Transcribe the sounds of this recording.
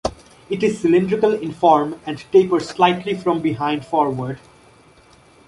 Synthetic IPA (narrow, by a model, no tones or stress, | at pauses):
ɪʈɪzsɪlɪ̃nɖɾɪkəlɪ̃nfɔːɾmæ̃ɳɖʈeːpəɾslaɪʈʰlifɾɔ̃mbɪɦãɪ̃nɖfɔːɾʋəɾɖ